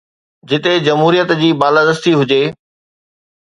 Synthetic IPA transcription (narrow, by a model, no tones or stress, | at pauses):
d͡ʑɪt̪ed͡ʑɐmɦuːɾijət̪d͡ʑiːbaːlad̪əst̪iɦʊd͡ʑeː